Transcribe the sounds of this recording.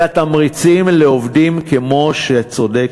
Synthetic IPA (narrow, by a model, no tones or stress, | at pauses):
at̪amʁit͡simleovdimkemo̞ʃet͡so̞de